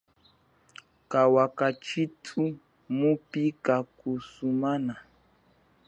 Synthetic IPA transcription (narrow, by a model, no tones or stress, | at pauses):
kawakat͡ʃitʰu | mũpikakusumanã